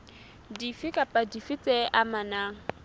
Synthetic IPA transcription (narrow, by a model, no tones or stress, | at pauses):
difɪkʼapʼadifit͡sʼɛʔamanaːŋ̩